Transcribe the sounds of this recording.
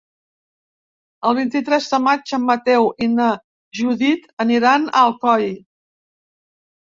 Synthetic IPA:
əlˠβ̞int̪it̪ɾɛzðəmad͡ʒəmːət̪ɛwʔinə | ʒuðit̪əniɾanə̰lˠkɔj

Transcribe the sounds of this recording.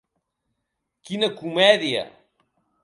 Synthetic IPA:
kinəkumɛðiə̰

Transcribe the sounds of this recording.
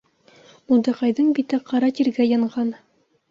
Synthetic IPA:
ulˠd̪ɤ̆qɑjðɤɴbit̪ɘqɑɾɑt̪iɾɡæjɤ̆ɴɢɑn

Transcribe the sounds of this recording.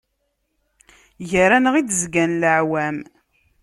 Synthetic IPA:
jəɾænəʁid̪əzɡænləʕwæm

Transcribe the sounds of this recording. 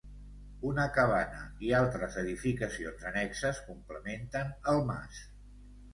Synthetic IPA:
unəkəβanə̰ialˠt̪ɾəzəðifikəsionzənɛksəskumpləment̪ənəlˠma̰s

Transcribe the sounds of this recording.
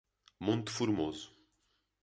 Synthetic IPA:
mõnt̪u̥fuɾmozʊ̥

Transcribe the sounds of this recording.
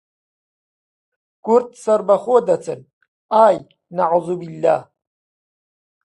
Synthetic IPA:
ɡ̥ʊɾt̪ʰsaɾbaχʷod̪at͡sʰʼɨn | aːj | naʕuːzubilːa̰

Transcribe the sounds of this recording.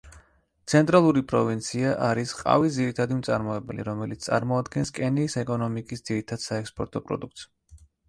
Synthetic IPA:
t̪sʰɛnt̪ʼɾalˠuɾipʼɾɔvint̪sʰiaʔaɾisqʼa̰vid̪ziɾit̪ʰad̪imt̪sʼaɾmɔɛbɛlḭɾɔmɛlit̪st̪sʼa̰ɾmɔad̪ɡɛnskʼɛniːsɛkʼɔnɔmikʼisd̪z̥iɾit̪ʰad̪̥saɛkspʼɔɾt̪ʼɔpʼɾɔ̰d̪uk̚t̪s

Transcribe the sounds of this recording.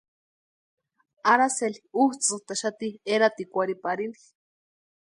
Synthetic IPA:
aɾaseliuht͡sɨt̪aʃat̪ieɾat̪ikʷaɾipaɾini

